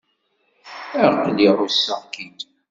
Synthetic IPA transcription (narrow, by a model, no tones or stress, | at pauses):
əɾqlirˤusːəʁkid̪